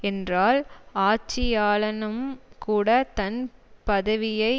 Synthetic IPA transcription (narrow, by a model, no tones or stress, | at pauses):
ɛndraːlaːt͡ʃːɪjaːlɐnɯmkuːɽɐt̪ɐnpɐðɐʋɪjɐɪ